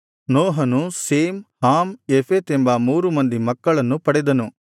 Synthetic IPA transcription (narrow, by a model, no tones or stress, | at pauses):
noːɦɐnuseːmhaːmepʰeːt̪embɐmuːɾumɐnd̪imɐkːɐɭɐnːupɐɽɛd̪ɐnu